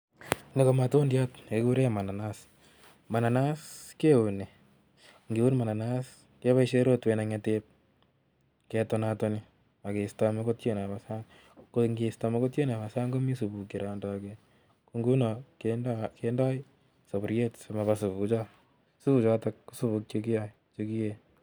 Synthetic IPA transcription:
ne˦ko˨ma˨to˦ndjatekuɾema˨na˨nas | ma˨na˨na˦skeune˨ | ŋɡi˨u˦nma˨na˨nas | ke˦βa˦iʃeɾo˦twenaŋatep̚ | ketɔnatɔni | a˨kestameko˦tt͡ʃe˦naβasa˦ŋ | koŋɡesta˧mi˦ko˦tje˦na˨βa˨sa˦ŋɡo˦mi˦su˨bu˨ki˨ɾandɔke | ku˧ŋɡu˦nɔkendkendɔ˦i | so˨bʊ˨ɾjetsomaβasu˨but͡ʃɔ˦ | su˦bu˨t͡ʃɔtɔk̚ku̥˦su˦βu˧k̚t͡ʃo˦ki˦ja˦i | t͡ʃoki˦je

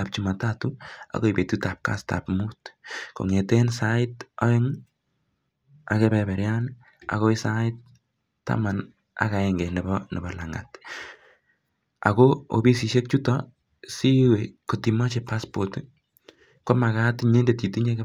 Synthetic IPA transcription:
ap̚t͡ʃi˨ma˨ta˦tua̰˨ko˦ibe˨tuta˨p̚ka̰˦sta̰pmutko̰˨ŋe˨tensa˦ɪtɔ˦e˦ŋ | a̰˨kɛbɛbɛ˨ɾjan | a̰˨ɣo˦i˦saɪt̚ː | a̰˦ma˨n | a̰˨ka˨eŋɡe˨nɛ˨bɔne˨bɔ˨la˨ŋa̰˨t | a̰˨koo̰˨bi˦si˨ʃe˦k̚t͡ʃu˦tɔ | si˦weko˨tima˦t͡ʃe˨pa˦spot | ko˦ma˨ɣa˦tiɲe˦ndeti˨ti˦ɲe˦ke˦

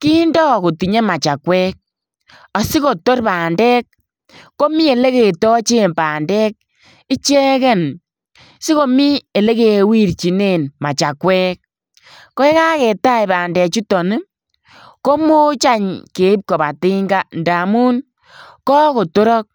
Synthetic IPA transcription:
ki˦ndɔ˦˨ko˨ti˨ɲe˦ma˨t͡ʃa˨kwɛ˦k̚ | ɔ˨si˦ko˨to˦rpaː˨ndɛː˦k̚ː | o˦mi˦e˨le˦ke˨tɔ˦t͡ʃe˦npaː˨ndɛː˦k̚ | i˦t͡ʃɛ˦kɛ˦n | si˦ko˨mi˦e˨le˦ke˨wi˦ɾt͡ʃi˨ne˦˨nma˨t͡ʃa˨kwɛ˦k̚ː | ɔ˦ɛ˦ka˦kɛ˨ta˦jbaː˨ndɛː˨t͡ʃu˦tɔ˨nɪ˦ | ko˦mo˦t͡ʃa˦ɲke˨i˦p̚ko˨ba˨ti˦ŋɡa˦nda˨mu˦n | kɔ˦ko˨to˦ɾɔ˦k̚

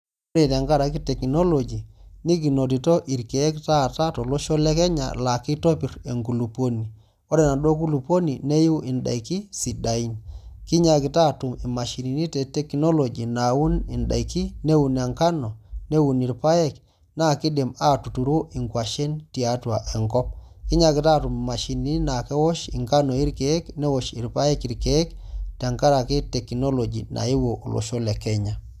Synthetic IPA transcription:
o˦ɾe˨ta˨ŋɡa˦ɾa˨ki˦tɛ˨kno˦lɔ˨d͡ʒi˨ni˦k̬i˨no˨t̬i˨to˦ʔi˨ɾke˨ɛ˦kta˦˨ta˦tɔ˨lo˦ʃɔ˦lɛ˦kɛ˦ɲa̰˨la˨ki˦to˦pi˨ɾe˨ŋɡu˨lu˨po˦ni˨ | ɔ˦ɾɛ˨na˨ɗo˦ku˦lu˨pwo˦ni˨ne˦ju˦ʔɪ˨nda̰˨i˨ki˦si˨da˨i˦nki˦ɲa˦ki˨ta˦˨tu˨mi˨ma˨ʃi˨ni˨ni˦tɛ˨tɛ˦knɔ˦lo˨d͡ʒi˨na˨wu˦nɪ˨nda̰˨i˨ki˦ne˦wu˨n˨a˨ŋka˦nɔ˨ne˦wu˨ni˨ɾpa˦jɛ˦k | na˦kɪ˦de˨ma˦tu˨tu˨ɾo˦ʔi˨ŋkwa˨ʃɛ˦nti˨a˦twa˨ʔɛ˨ŋkɔ˦p̚ki˦ɲa˨kɪ˨ta˦˨tʊ˨m˨ma˨ʃi˨ni˨˦ni˦na˨kɛ˦wɔ˦ʃḭ˨ŋka˦nɔ˨i˦ɾkɛ˨ɛ˦knɛ˦wɔ˨ʃi˨ɾpa˦ɛ˦ki˨ɾke˨ɛ˦ktɛ˨a˨ŋka˦ɾa˨kɛ˦tɛ˨kno˦lo˨d͡ʒi˨nʔa̰˨i˦wo˨ʔlo̰˨ʃo˦lɛ˨kɛ˦ɲa˨

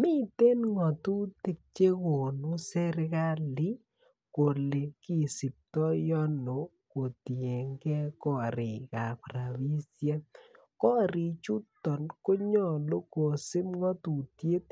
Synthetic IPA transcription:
mi˦te˦nŋɔ˨tu˦te˦˨k̚t͡ʃe˦ko˨no˦sɛ˦ɾka˦li˦ | ko˨le˨ki˦˨sɪ˨p̚tɔ˦jɔ˦no˨ | ko˨ti˨e˨ŋɡɛ˦kɔ˦˨ɾɪ˨ka˨pɾa˨bi˦sja˦nkɔ˦ɾɪ˨t͡ʃu˦tɔ˨nko˦ɲɔ˦lo˦ko˨sɪ˦mŋɔ˦tu˨tje˦t̪̚

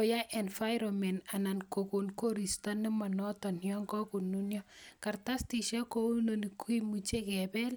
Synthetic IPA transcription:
o˨ja˦ʔɛ˨nfa˦jɾomɛ˨na˨na˨nko˨ku˨nko˦ɾi˨sta˦nɪ˦ma˨nɔ˦tɔ˨njɔ˦ŋkɔ˦ku˨nːu˦njɔ˦ka˨rta˦sti˨ʃa˦ko˦u˦lno˨nikui˦mu˨t͡ʃe˦kɛ˨bɛ˦l

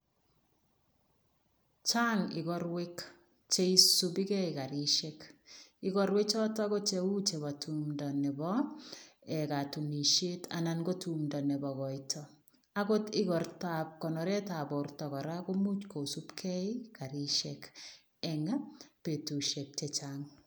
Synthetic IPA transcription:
t͡ʃa˦ŋɪ˨ɣɔrwe˦k | t͡ʃe˦isubi˦kɛ˦ika˨ɾi˦ʃɛkɪɣɔ˨ɾwe˦kt͡ʃɔ˦tɔ˦kɔ˦t͡ʃe˨u˦t͡ʃe˨βa˨tʰumdɔ˨nɛ˨bɔ | ɛ˨ka˨tu˨ni˨ʃe˦ta̰nanɡɔ˦tumdɔ˨nɛ˨bɔ˨ɣɔ˨itʰɔ | a˦ɡo˦tɪ˦kɔ˨rta˨p̚kɔ˨nɔ˨ɾɛ˦ta˨bɔrtɔ˨kɔ˨ɾako˦mu˦t͡ʃkosu˦pkʰɛ˦ɪ˦ka˨ɾi˦ʃɛk | ɛŋa˦pe˨tu˨ʃe˨p̚t͡ʃɛt͡ʃaŋ

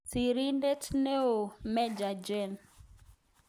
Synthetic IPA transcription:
si˨ɾi˦nde˦tne˦o˨mɛ˦d͡ʒa˨d͡ʒɛ˦˨n

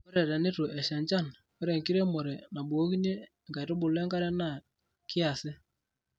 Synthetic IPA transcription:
ko˦ɾɛ˨ɾɛ˨nɪ˦tʊ˨ʔɛ˨ʃɛ˨ɲt͡ʃa˦˨n | ko˦ɾɛ˨ŋki˦ɾe˦mo˨ɾɛ˨na˨bu˨o˦ki˦ne˦˨ | ŋka˨jto˦bʊ˨lɛ˦ŋka˦ɾɛ˦na˦˨ | kɪ˦a˨sɪ˦

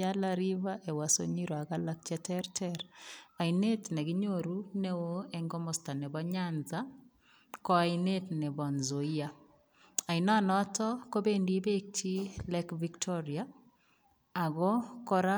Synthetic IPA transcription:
a˦laɾi˦βa˦ʔe˨wa˨so̰˦ɲi˦ɾo˨a˨ɣalak̚t͡ʃɛ˦tɛɾtʰɛɾa˨ine˦tnɛ˨ɡi˦ɲoɾu˦ne˦wo˦ɛŋɡɔ˦mɔ˨sta˨nɛ˨bɔ˦ɲanza | kɔ˦a˨ine˦tnɛ˨bɔ˨nzo˨ia | a˨i˨na˦nɔ˦tɔ˦ko˦be˦ndi˦be˦k̚ti˦lɛkviktʰɔɾia | a˨ɣɔ˦kɔ˦ɾa˦

